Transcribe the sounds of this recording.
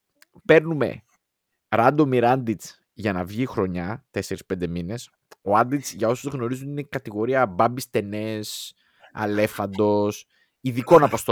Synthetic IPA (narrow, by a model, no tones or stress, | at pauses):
pe̞ɾnume̞̰ | ɾɐnd̪o̞miɾɐnd̪it͡s | ʝɐnɐvʝixɾo̞ɲɐt̪e̞se̞ɾispe̞nd̪e̞mine̞s | o̞ɐnd̪it͡sʝɐo̞suzɣno̞ɾizuninekɐt̪iɣo̞ɾiɐbɐbist̪e̞ne̞s | ɐ̰le̞fɐnd̪o̞s | iðiko̞nɐpo̞st̪o